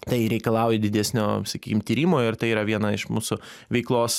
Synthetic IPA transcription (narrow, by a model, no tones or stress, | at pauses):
t̪ɐɪɾʲɛɪkɐlˠɑˑʊjɛd̪ʲɪd̪ʲæsʲnʲoːsɐkʲiːkʲɪmt̪ʲiːɾʲimoːɪrt̪ɐɪiːɾɐʋʲiɛnɐɪʃmuːsʊ | ʋʲɛɪklˠoːs